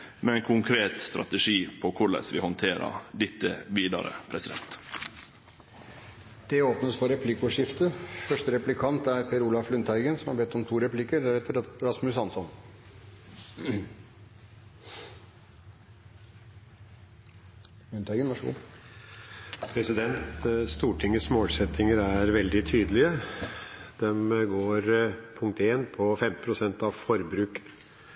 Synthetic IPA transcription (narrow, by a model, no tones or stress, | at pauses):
mɛɛɪnkʰʊŋkʰɾeːt̪st̪ɾɑ̰t̪əʂiːpʰɔkʰʊɭə̰sʋɪ̰hɔnt̪ʰeːɾə̰ɾd̪ɪt̪ːəʋiːd̪ɑ̰ɾə̰pʰɾɛsɪd̪ɛ̰nt̪ | d̪̥ɛoːpnəsfɔɾɛpʰlɪkʊʂɪft̪əfœʂʈəɾɛplɪkʰɑnt̪æɾfʰɛɾuːlɑflʉnt̪hæɪɡənsɔmhɑɾbɛt̪ːɔmt̪ʰuːɾɛplɪkəɾæɾɛt̪ʰːəɾɾɑsmʉshɑnsɔn | lʉnt̪hæɡənʋɑʂɡṵː | pʰɾɛsɪd̪ɛnt̪st̪uːʈʰɪŋːəsmoːlsɛt̪ʰɪŋəɾæɾʋɛld̪ɪt̪ʰyːd̪əlɪə | d̪̥ɛmɡoːɾpʰʊŋk̚t̪eːnpʰɔfɛmt̪ɪ̥pʰɾʊsɛnt̪ɑʋfɔɾbɾʉːk